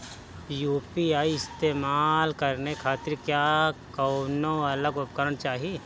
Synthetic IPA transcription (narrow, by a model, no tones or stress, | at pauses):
juːpiaːiɪst̪eːmaːlkɐɾnekʰaːt̪ɪɾkjaːkənõɐləɡʊpkəɾənt͡ʃaːɦie